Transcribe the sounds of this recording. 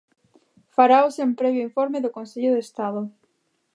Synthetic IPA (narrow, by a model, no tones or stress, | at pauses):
faɾawsẽmpɾɛβjʊiɱfoɾmeðʊkõnseʎʊðest̪aðʊ